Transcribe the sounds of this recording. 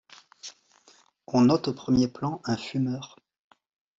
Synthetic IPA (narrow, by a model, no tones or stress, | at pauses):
ɔ̃nɔt̪opχəmjeplɑ̃ɛ̃fymœːʁ